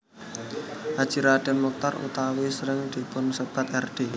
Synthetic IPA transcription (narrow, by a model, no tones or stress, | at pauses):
ʔad̥t͡ʃiɾad̪̥e̤mɔk̚t̪arṵt̪awesəɾɪŋd̪̥i̤pʊnsəb̥a̤t̪ɛrɖ̥e